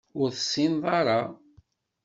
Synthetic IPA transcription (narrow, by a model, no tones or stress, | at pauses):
ʊɾθə̥sːinðˤɑɾˤɑ